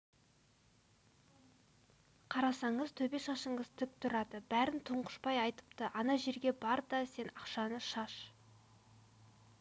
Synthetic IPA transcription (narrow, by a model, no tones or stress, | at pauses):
qʰɑɾɑsɑɴəzt̪ʰɵbe̞ʃɑʃəɴəz̥t̪ʰʏp̚t̪ʰʊɾɑd̪əbæɾɪnt̪ʰʊɴqə̥ʃpɑjɑjt̪ə̥pt̪əʔɑnɑʒe̞ɾɡʲe̞bɑɾd̪ɑse̞nɑqʃɑnəʃɑʃ